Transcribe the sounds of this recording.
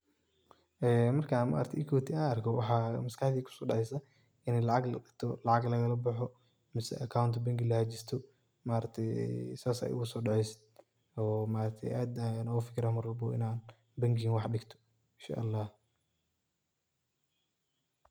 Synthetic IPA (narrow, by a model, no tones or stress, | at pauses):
ʔɛːmɐrkʰama̰ːɾɐt̪ʰʔɪkʰɔːt̪ʰiaːnɐrkʰɔwɑħɑːmɐskɑħd̪iːkʰʊ̥sɔːɖɑʕɛjsɐ | ɪnɛjlɑʕɑɡlɐ̰ɗɪkt̪ʰɔlɑʕɑɡlɐɣɐlɐbɐħɔ | mɪsɛ̰ʔɐkʰawnt̪ʰɔbɐŋɡɪlɐhɐt͡ʃɪst̪ʰɔ | maːɾɐt̪ʰɛj̰saːsɛ̰jʔʊ̰ɣʊsɔːɖɑʕɛjsɪ̥d̪ | ɔːmaːɾɐkt̪ʰɛ̰jʔaːd̪anɔːɣʊfɪ̥kʰɪɾaːmɐɾwɐlbɔ̰ɪ̰naːn | bɐŋɡinwɑħɖɪɡt̪ʰɔ̥ | ɪnʃa̰ːʔɐlːɑːh